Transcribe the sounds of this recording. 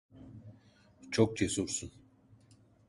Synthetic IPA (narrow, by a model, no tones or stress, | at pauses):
t͡ʃʰok̚t͡ʃʰesuɾsun